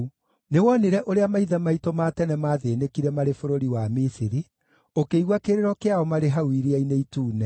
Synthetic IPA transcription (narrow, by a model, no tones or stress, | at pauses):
newɔneɾɛʔoɾeamaiðɛmaitomatɛnɛmaðenekiɾɛmaɾefoɾoɾiwamisiɾi | okeiɣwakeɾeɾɔkeaɔmaɾeɦawiɾiaineituːnɛ